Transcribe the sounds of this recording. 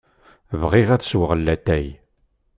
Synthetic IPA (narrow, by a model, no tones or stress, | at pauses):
vʁiʁæt͡sːə̥swəʁəlːæt̪æj